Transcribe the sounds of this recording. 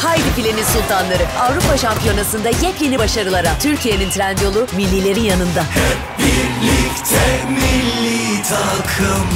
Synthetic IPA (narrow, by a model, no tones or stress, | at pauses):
hajd̪ifilʲenisulˠt̪ʰanlˠaɾɯavɾupʰaʃampʰijo̞nasɯnd̪ajɛclʲenibaʃaɾɯlˠaɾat̪ʰyɾcije̞nint̪ʰɾænd̪jo̞lˠumilʲːilʲe̞ɾinjanɯnd̪ah | biɾlikt̪ʰɛmilːit̪ʰakʰɯm